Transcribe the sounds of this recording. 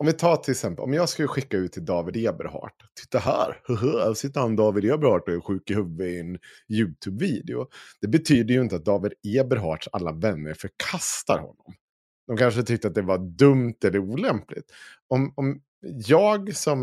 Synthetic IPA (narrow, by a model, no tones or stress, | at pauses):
ɔmvɪt̪ʰɑːt̪ʰɪlɛksɛmpəlʔɔ̰mjɑːɡskaləɧɪkːaʉːt̪ʰːɪld̪ɑːvɪd̪eːbə̰ɾɦɑ̰ːʈt̪ʰːɪ̥t̪ːaɦæ̰ːɾhɵɦəɔsɪt̪ːəɾhand̪ɑːvɪd̪eːbəɾhɑːʈɔɛɾɧʉ̟ːkɪhɵvːəɪɪɛnjʉ̟ːt̪ʰʉːbviːd̪ɪʊ̰d̪̥ɛbɛt̪ʰyːd̪əjɵɪnt̪əat̪̚d̪ɑːvɪd̪eːbəɾɦɑːʈʂa̰lːavɛnːəɾfœɾkʰast̪a̰ɾhɔ̰nːɔm | d̪̥ɔmkʰanʂət̪ʰʏk̚t̪əat̪̚d̪ɛvad̪ɵmt̪ɛlːəɾuːlɛmplɪ̰t̪ɔmɔm | jɑːɡsɔm